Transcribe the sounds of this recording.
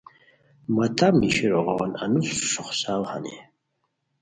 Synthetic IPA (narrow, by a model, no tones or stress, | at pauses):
mat̪ʰamniʃiɾɔʁawananusʃʊχʷsalha̰nḭ